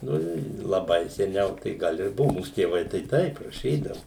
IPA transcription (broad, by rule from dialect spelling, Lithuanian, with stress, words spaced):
ˈnʊ ɪ lˠɐˈbɐɪ sʲɛˈnʲɛʊ tɐɪ ˈɡɐlˠ ɪr ˈbʊʋʊ ˈmuːs tʲeːˈʋɐɪ tɐɪ ˈtɐɪp rɐˈʃʲiːdɐʋʊ